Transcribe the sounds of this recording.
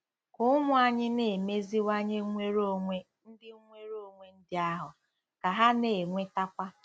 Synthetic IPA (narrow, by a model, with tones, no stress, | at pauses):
kʊ˦ʊ˦mʊ˦a˨ɲɪ˦ne˨me˦zi˦wa˦ɲɪ˦ŋʷe˦ɾo˦e˦ | n̩˦dɪ˦ŋʷe˦ɾo˦˨ŋʷe˦n̩˦dɪ˦a˦ɦʊ˨ | ka˨ɦa˦ne˨ŋʷe˦ta˦kʷa˦